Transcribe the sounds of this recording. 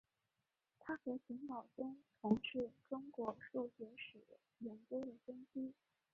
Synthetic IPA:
t̪ʰa˥xɤ˧˥ɪt͡ɕʰi˧˥ŋnɑ˨˩ʊʈ͡ʂʊ˥ŋʈ͡ʂʰʊ˧˥ŋʂɻ̩˥˩ʈ͡ʂʊ˥ŋkwɔ˧˥ʂu˥˩t͡ɕjɛ˧˥ʂ̩˨˩ | jɛ˧˥nkjo˥d̪ə˨fə˥ŋt͡ɕi˥

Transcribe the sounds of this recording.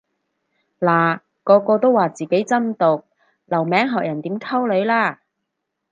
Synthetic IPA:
laː˨˩ | kɔː˧kɔː˧t̪o˥wːaː˨˩t͡siː˨˩ke˨˥jt͡sɐ˥nt̪ʊ˨˩k̚ | lɐ˨˩wmɛː˨˥ŋɦɔː˨k̚jɐ˨˩nt̪iː˨˥mt̪ʰɐ˥wlɵ˨˧˥ɥlaː˥˩

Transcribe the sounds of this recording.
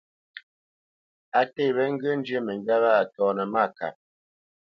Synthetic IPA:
a˨te˦˨bɛ˦ŋ̩˦ɡə˦n˦d͡ʒə˦mə˨ŋ˨ɡa˦ba˦a˨tɔː˨nə˨ma˦˨ka̰˨p̚

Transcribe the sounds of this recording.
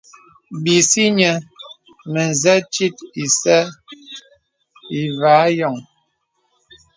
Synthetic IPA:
bi˨si˦ɲə˨ | mə˨n˨zɛ˦t͡ʃi˦ti˨sɛ˦ | i˨vaː˨˦jɔ˨ŋ

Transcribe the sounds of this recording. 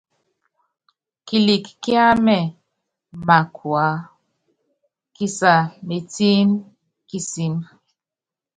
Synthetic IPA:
ki˨li˨kːi˦a˦mɛ˨ | ma˨kʰwa˨˦ | ki˦sa˨me˨ti˦m | ki˦si˦m

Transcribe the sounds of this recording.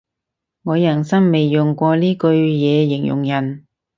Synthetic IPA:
ŋɔː˨˧jɐ˨˩nsɐ˥ŋme˨jːʊ˨˩ŋkʷɔː˧liː˥kɵ˧ɥjɛː˨˧jɪ˨˩ŋjʊ̰˨˩ŋjɐ˨˩n

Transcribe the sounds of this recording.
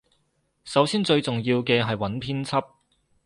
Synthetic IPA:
sɐ˨˥wsiː˥nt͡sɵ˧ɥt͡sʊ˨ŋjiː˧wkɛː˧ɦɐ˨jwɐ˨˥npʰiː˥nt͡sʰɐ˥p̚

